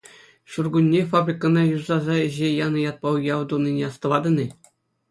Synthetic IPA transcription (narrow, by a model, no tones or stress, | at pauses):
ɕurɡunʲːefabrʲikənɑjuzɑzɑɘ̆ʑejɑnɤ̆jɑt̪̚pɑjʲɑʋd̪unʲːinʲeɑst̪ɤ̆ʋɑd̪ɤ̆nʲɘ̆